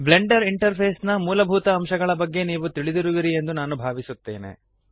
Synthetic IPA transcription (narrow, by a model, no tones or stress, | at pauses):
ble̞ɳɖɐɾiɳʈɐɾpʰeːsnɐmuːlɐbʱuːt̪ɐːmʃɐɡɐɭɐbɐɡːe̞niːʋut̪iɭid̪iɾuʋiɾie̞nd̪unaːnubʱaːʋisut̪ːe̞ːnḛ